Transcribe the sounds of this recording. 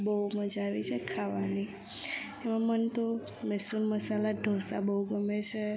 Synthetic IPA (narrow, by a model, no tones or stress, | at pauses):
bəuməd͡ʒaʋit͡ʃʰekʰaʋani | emãmənt̪o | mesunməsalaɖʱosa̰bəuɡəmet͡ʃʰe